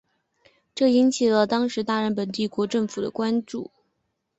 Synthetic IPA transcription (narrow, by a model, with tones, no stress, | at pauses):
ʈ͡ʂɤ˥˩i˧˥nt͡ɕʰi˨˩lə˦t̪ɑ˥ŋʂɻ̩˧˥t̪a˥˧ɻə˥˩npə˨˩nt̪i˥˩kwɔ˧˥ʈ͡ʂɤ˥˩ŋfu˨˩d̪ə̰˦kwa˥nʈ͡ʂṵ˥˩